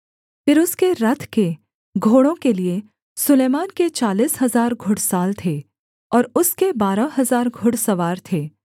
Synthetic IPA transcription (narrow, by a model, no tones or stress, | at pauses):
fɪɾʊskeɾɐt̪ʰke | ɡʱoːɽõkelie | sʊleːmaːnket͡ʃaːliːsɦɐzaːɾɡʱʊɽsaːlt̪ʰeː | ɔːɾʊskebaːɾaɦɐzaːɾɡʱʊɽsɐʋaːɾt̪ʰeː